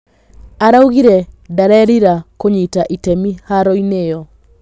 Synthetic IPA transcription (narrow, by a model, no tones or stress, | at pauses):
aɾauɣiɾɛdaɾɛɾiɾakoɲitaʔitɛmihaɾɔinejɔ